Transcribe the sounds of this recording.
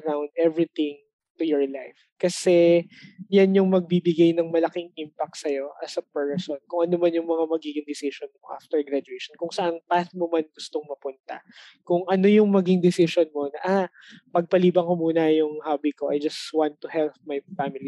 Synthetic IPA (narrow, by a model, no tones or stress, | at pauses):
ɐɾawnd̪̚ɛvɹit̪ɪ̃ŋ | t̪ʊjɔɹlajf | kɐsɛ | janjʊŋmɐɡ̚bibɪɡajnɐŋmɐlɐkɪŋʔimpɐk̚t̪sɐjo̞ʔɐsɐpɛɹsonkʊŋʔɐnomɐnjʊŋmɐŋamɐɡiːɡɪŋd̪ɪsiʃonmoʔa̰ft̪ɛɹɡɾad͡ʒʊejʃonkʊŋsɐʔanpast̪̚momanɡʊst̪oŋmɐpʊnt̪a̰ | kʊŋʔɐno̞jʊŋmɐɡɪŋd̪ɪsɪʃonmo̞nɐʔa | pɐɡ̚pɐliːbɐŋkomuːnɐjʊŋhaːbikoʔɐjd͡ʒɐswant̪ːʊhɛlp̚mɐjfamɪli